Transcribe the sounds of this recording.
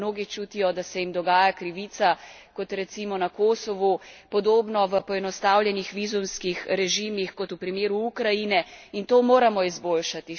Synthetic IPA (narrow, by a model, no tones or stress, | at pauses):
noːɡit͡ʃuːt̪ijɔd̪asɛjimd̪ɔɡaːjakɾiʋiːt̪sa | kɔt̪ɾɛt̪simɔnakoːsɔʋupɔd̪oːbnɔʋəpɔɛnɔst̪aːwljɛnixʋiːzumskixɾɛʒiːmixkɔt̪upɾimeːɾuukɾajinɛint̪oːmoːɾamɔizboːlʃat̪i